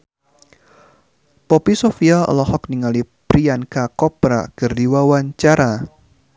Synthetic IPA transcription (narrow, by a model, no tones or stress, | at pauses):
popisofialə̰lɔhɔk̚niŋalipɾiankakɔpɾa̰kɨrdiwawaɲt͡ʃaɾa